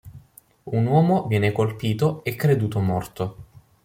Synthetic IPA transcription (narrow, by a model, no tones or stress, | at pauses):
unwɔːmovjɛːnekolpiːt̪oekːɾed̪uːt̪omɔrt̪o